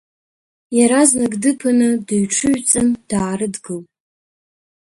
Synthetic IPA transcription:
jaɾaznaɡdɨpʰɨnɨdɨɥʈ͡ʂʰɨʒt͡sʼɨnd̥aːrɨdɡɨlpʼ

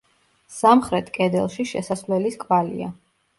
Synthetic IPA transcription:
samχɾɛt̪ʰkʼɛd̪ɛlˠʃiʃɛ̰sasvlɛliskʼvalḭa̰

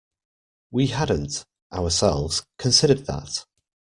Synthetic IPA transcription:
wihadⁿn̩t | ʔaʊəsɛlˠvz̥kʰə̃nsɪɾəd̪̚ðə̰t

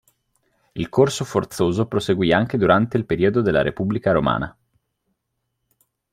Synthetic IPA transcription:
ilkorsofort̪soːzopɾoseɡwiːaŋk̟ed̪uɾant̪eilpeɾiːod̪od̪elːa̰ɾḛpubːlikaɾoma̰ːna

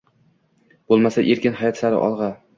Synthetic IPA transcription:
b̥olˠmasaʔe̞ɾkʲɪnhajɒt̪saɾɪ̰ʔɒ̰lˠʁɑ

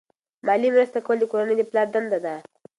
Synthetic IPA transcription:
mɑlimɾast̪akawəld̪əkoɾanəjd̪əplɑɾd̪and̪ad̪a

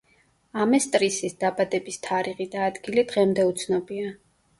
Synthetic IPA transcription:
amɛst̪ʼɾisisd̪̥abad̪ɛbist̪ʰaɾiʁid̪aːd̪ɡilid̪ʁɛmd̪ɛut̪sʰnɔbia

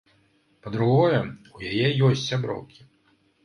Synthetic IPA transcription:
pɐd̪ɾuɣɔjɛujajɛjɔsʲt͡sʲsʲabɾɔ̰wkʲi̥

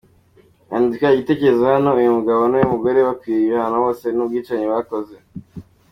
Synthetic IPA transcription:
a̰ndikaiɟite̞ceɾezehanoujumuɡaβonujumuɡoɾewakwiɾiehanawo̞ːse̞nub̚ɡiːt͡ʃaɲeβakoze

